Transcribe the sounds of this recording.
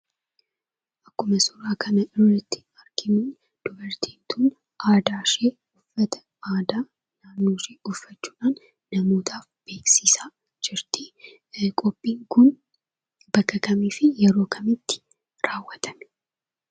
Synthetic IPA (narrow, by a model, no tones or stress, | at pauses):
ʔɐkːʊmɐsʊɾaːkʰɐnɐʔɪrːɐt̪ːɪ̥ | ɐɾkʰɪmɪn | d̪̥ʊbɐɾt̪ʰeːnt̪ʰuːn | ʔaːd̪aːʃeː | ʊfːɐt̪ɐ̥ | aːd̪aː | naːnːoːʃeːʊfːɐt͡ʃːu̥ːᶑaːnː | ɐmo̞ːt̪ʰaːfb̥e̞ːksiːsaː | d͡ʒɪɾt̪ɪ | kʼɔpʼːiːŋkʊn | bɐkːɐkɐmiːfɪjɛɾo̞ːkʰɐmɪt̪ːɪ̥ | ɾaːwːɐt̪ʰɐm